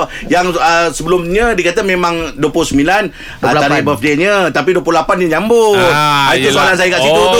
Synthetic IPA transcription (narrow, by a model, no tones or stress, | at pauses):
jaŋəsəbəlʊmɲədikat̪amẽmãŋduəpʊhsəmilan | ət̪aɾabəfdeɲət̪apiduəpluhlapanɲaɲambʊt̪̚ait̪usoalansajəkaʔsid̪ot̪